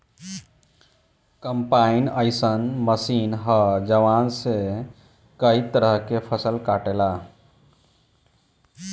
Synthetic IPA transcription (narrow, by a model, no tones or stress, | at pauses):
kəmpainəɪsənməsinɦəd͡ʒəʋanse | kəit̪əɾəɦkepʰəsəlkaʈela